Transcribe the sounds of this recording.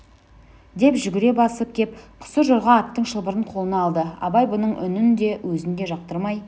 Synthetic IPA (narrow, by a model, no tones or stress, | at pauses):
d̪e̞pʒʏɡʲɪɾe̞bɑsəp̚kʲʰe̞p̚qʰʊ̥səʒʊɾʁɑːt̪ːəɴʃəlˠbəɾəɴqʰo̞lˠənɑːlˠd̪əɑ̰bɑjbʊnəɴʔʏ̰nɪnd̪e̞wʔɵzɪnd̪e̞ʒɑq̚t̪əɾmɑj